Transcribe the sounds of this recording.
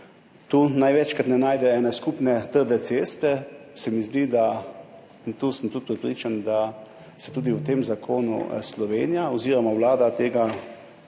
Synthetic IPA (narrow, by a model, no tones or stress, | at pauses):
t̪uːnajʋɛt͡ʃkat̪nɛnaːjd̪ɛɛːnɛskupnɛt̪əɾd̪ɛseːst̪ɛsɛmizd̪id̪a | int̪uːsəmt̪ut̪̚pɾɛpɾit͡ʃand̪a | sɛt̪uːd̪iwt̪eːmzakʰoːnṵslɔʋeːnijaɔziːɾɔmaʋlaːd̪at̪eːɡa